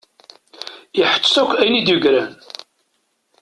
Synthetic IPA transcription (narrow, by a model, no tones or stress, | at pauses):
iħə̥t͡ʃːsækʷːæjnid̪juɡɾæn